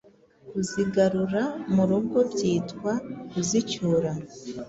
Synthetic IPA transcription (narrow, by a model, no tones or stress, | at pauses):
kuziɡaɾuɾamuɾuɡo̞bɟiːtkwakuzicuɾa